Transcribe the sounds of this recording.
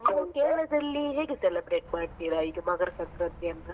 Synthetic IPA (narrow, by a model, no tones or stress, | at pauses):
nːkeːɭɐd̪ɐlːiɦeːɡeselɐbɾeːʈ̚maːɖ̚t̪iːɾɐiːɡɐmɐɡɐɾɐsɐŋkɾɐt̪iɐnt̪ɐ